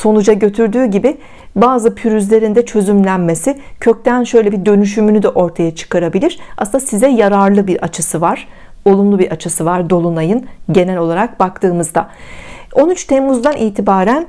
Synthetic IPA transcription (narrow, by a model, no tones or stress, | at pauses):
so̞nud͡ʒaɟø̞t̪ʰyɾd̪yːɟibɪ | baːzɯpʰyɾyzlʲe̞ɾind̪ɛt͡ʃʰø̞zymlʲænme̞sɪcʰø̞c̚t̪ʰænʃø̞jlʲɛbid̪ø̞nyʃ̬ymynyd̪ɛʔo̞ɾt̪ʰajat͡ʃʰɯ̥kaɾabilʲiɾ̥asnasizɛjaɾaɾlˠɯbiɾat͡ʃʰɯsɯvaɾ̥ | o̞lˠumlˠubiɾat͡ʃʰɯsɯvaɾd̪o̞lˠunajɯnɟe̞nɛlʲo̞lˠaɾak̚bak̚t̪ʰɯːmɯzd̪a | o̞nyt͡ʃt̪ʰemːuzd̪anʔiːt̪ʰibaːɾæn